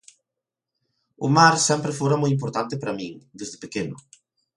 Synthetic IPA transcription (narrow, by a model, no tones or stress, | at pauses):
ʊmaɾsɛmpɾefoɾɐmojimp̬oɾt̪ant̪ɪpɾɐmĩŋd̪ezðɪpekenʊ̰